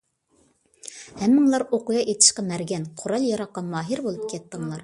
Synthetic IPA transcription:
hæmːɪŋlˠɑɾoqʊjɑʔet̪ʰɪ̥ʃqɑmæɾɡʲɛnqʰoɾɑlˠjɑɾɑqːɑmɑːɦiɾbolˠup̚kʲɛt̪ːəɴlˠɑɾ

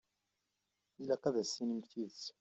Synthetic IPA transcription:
ilæqæðæsinimθiðt͡s

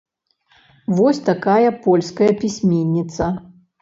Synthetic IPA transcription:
vɔsʲt̪akajɐpɔlʲskɐjɐpʲisʲmʲenʲːit̪sɐ

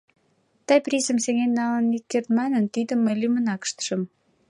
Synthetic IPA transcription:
t̪ɑjprʲisəmseŋenːɑlənik̪̚kert̪mɑnənt̪id̪əmːəjlymənɑkə̥ʃt̪ə̥ʃə̆m

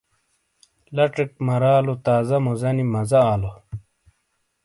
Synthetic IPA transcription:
lɐʈ͡ʂɐk̚mɐɾaːlot̪aːzɐmozɐnimɐzɐːlo

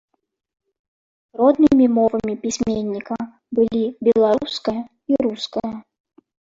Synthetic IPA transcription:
rɔd̪nɨmʲimɔvɐmʲipʲisʲmʲenʲːikɐ | bɨlʲibʲɛlˠaɾuskɐjɐ | iɾuskɐjɐ

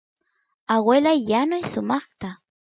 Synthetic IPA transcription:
awelajːanʊjsʊmɑχt̪a

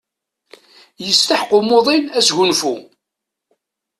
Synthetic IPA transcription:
jəst̪aħqʊmoðˤinæsʝunfu

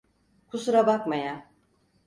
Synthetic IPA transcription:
kʰusuɾabakmaja

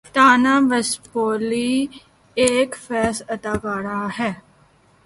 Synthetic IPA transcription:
t̪aːnãːʋəspoːliː | eːkfɛːsəd̪aːkaːɾaːɦɛː

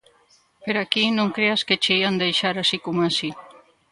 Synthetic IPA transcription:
peɾakinõŋkɾeasket͡ʃejand̪ejʃaɾasikumasi

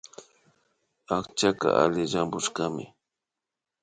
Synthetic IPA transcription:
akt͡ʃaka̰ʔa̰lɪʒambʊʃkamɪ

